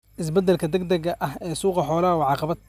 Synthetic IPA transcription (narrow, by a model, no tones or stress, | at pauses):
ʔɪs̬bɛd̪ːɐlkʰɐd̪ɐɡd̪ɐɣɐʔɐhɛːsuːqɑħɔːlɐɐwɑʕɑqɑβɐd̪